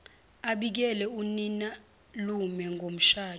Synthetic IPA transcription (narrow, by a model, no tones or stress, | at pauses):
aɓik̬ɛlɛunina | lumɛŋɡʱom̩ʃaː